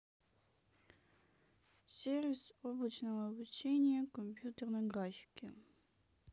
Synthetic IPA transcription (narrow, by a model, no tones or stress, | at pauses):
sʲeɾʲɪsoblˠət͡ɕnəvəɐbut͡ɕenʲɪjəkomʲpʲjut̪ʲərnɐɡɾafʲɪ̥kʲɪ